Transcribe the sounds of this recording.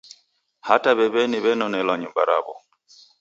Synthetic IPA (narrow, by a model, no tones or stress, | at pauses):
hataβɛβɛniβɛnɔnɛlwaɲumba̰ɾa̰βɔ